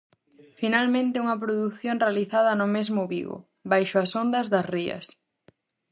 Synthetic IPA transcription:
finalmẽnt̪ɪuŋɐp̬ɾoðuθjonrealiθaðɐnʊmezmʊβḭɣo̰ | bajʃʊɐsond̪ɐzðɐsriɐ̰s

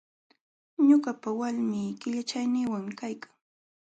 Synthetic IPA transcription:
ɲʊɢapawalmiːkɪʎat͡ʃajnɪːwaŋmɪkajkḁŋ

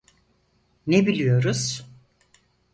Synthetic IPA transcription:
nebilʲijo̞ɾuz̥

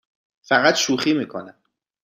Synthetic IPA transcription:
fæɣæt̪ʃuːxiːmiːkʰonæm

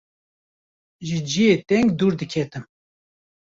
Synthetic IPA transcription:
ʒɨd͡ʒijeːt̪ɛŋɡd̪uːɾd̪ɨkʲʰɛt̪ɨm

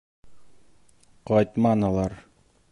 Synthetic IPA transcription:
qɑjt̪mɑnɤ̆lˠɑɾ

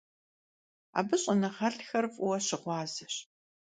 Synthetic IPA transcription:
a̰ːbɨɕʼɐnɐʁɐɬxɐrfʼʊwɐɕɪʁʷɑːzɨɕ

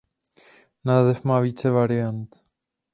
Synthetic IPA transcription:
naːzɛfmaːviːt͡sɛvaɾɪjant̪

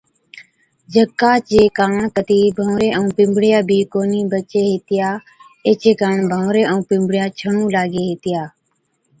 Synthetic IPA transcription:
d͡ʒʱəkːaːt͡ʃeːkaːɳkət̪iːbʱə̃ːʋɾeːʔə̃ːpɪ̃mbɽɪjaːbʱiːkoːniːbət͡ʃeːɦeːt̪ɪjaː | eːt͡ʃeːkaːɳbʱãːɾeːʔə̃ũːpɪ̃mbʱɽjaːt͡ʃʰəɳũːlaːɡeːɦeːt̪ɪjaː

